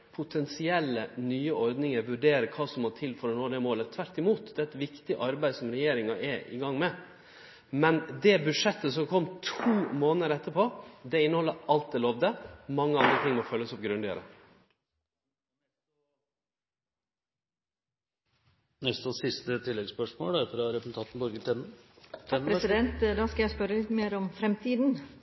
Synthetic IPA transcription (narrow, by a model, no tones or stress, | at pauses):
pʰʊt̪ʰɛnsɪɛlːənyːəɔɾd̪nɪŋəɾʋʉɖeːɾəkʰɑːsɔmːɔt̪ʰɪlfɔɾɔnoːd̪ɛmoːlət̪ʰʋæɾt̪ɪmuːt̪d̪ɛːɾɛt̪ʋɪkt̪ɪʔɑɾbæɪsɔmɾɛjeːɾɪŋɑʔɛɪ̰ɡɑŋːmɛ | mɛnd̪ɛbʉʂɛt̪ːəsɔmkʰɔmːt̪ʰuːmoːnəəɾɛt̪ːəɾpʰoːd̪ɛɪnːəhɔlːəɑlt̪̚d̪ɛloːʋd̪əmɑŋːəɑnd̪ɾət̪ʰɪŋːmɔfœlːəsɔp̚ɡɾʉnd̪ɪə̰ɾə̰ | nɛst̪ɔsɪst̪ət̪ʰɪlːɛɡspœʂmo̰ːld̪ɑfɾɑɾɛpsn̩t̪ʰɑːt̪n̩bɔɾɡət̪ʰɛnə | ɾɛsɪd̪ɛnt̪d̪ɑːskɑjæɪspœɾəlɪt̪meːɾɔmfɾɛmt̪ʰiːd̪n̩